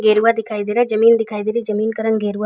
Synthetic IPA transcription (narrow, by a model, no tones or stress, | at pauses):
ɡeːɾuʋad̪ɪkʰaːid̪iɾed͡ʒɐmiːnd̪ɪkʰaːid̪iɾid͡ʒɐmiːnkɐɾənɡeːɾua